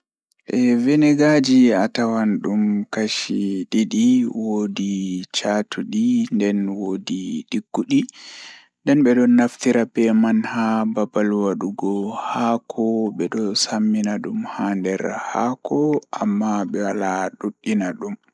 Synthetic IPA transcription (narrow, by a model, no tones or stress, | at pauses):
ʔɛvɛnɛɡad͡ʒiatawanɗumkaʃiɗiɗiwodit͡ʃatʰuɗindɛnwodiɗiɡːuɗi | ndɛnɓɛɗɔnaftiɾapɛmanhababalwaɗuɡɔhakʰɔɓɛɗɔsamːinaɗumhandɛɾhakʰɔʔamːaɓɛwalaɗuɗːinaɗum